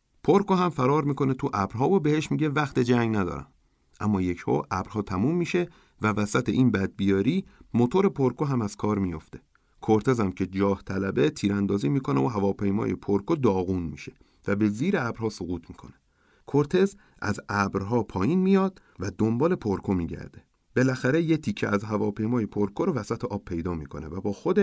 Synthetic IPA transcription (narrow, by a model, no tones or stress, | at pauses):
pʰoɾkoɦæmfæɾɒːɾmiːkʰo̞ne̞t̪ʰuʔæbɾɦɒːvobehe̞ʃmiːɟe̞væxt̪e̞d͡ʒæŋɡnæd̪ɒ̰ːɾæ̰m | ʔæmːɒːje̞cho̰ʔæb̥ɾhɒːt̪ʰæmuːmːiːʃe̞ | vævæsæt̪ʰeʔiːnbæd̪̚bijɒːɾiːmot̪ʰoɾe̞pʰoɾkoɦæmæz̥kʰɒːɾmijo̰ft̪e̞ | kʰoɾt̪ʰe̞zæmcʰe̞d͡ʒɒːht̪ʰælæbe̞t̪ʰiːɾænd̪ɒːziːmiːkʰo̞neoɦævɒːpʰejmɒ̰ːje̞pʰoɾkʰod̪ɒːɣuːnmḭːʃe̞̥ | væbe̞ziːɾeæbɾhɒːsoɣuːt̪ʰmiːkʰo̞̰ne̥ | kʰoɾt̪ʰe̞z | ʔæ̰zæbɾɦɒːpʰɒːjiːnmijɒːd̪̥ | væd̪ombɒːle̞pʰoɾkʰo̞miːɟæ̰ɾd̪e̞ | b̥e̞læxæɾejet̪ʰicʰːeʔæzɦævɒːpʰe̞jmɒːjepʰoɾkʰoɾovæsæt̪ʰeʔɒːb̥pʰːe̞jd̪ɒːmiːkʰo̞̰nḛvæbɒːxo̞d̪eʃ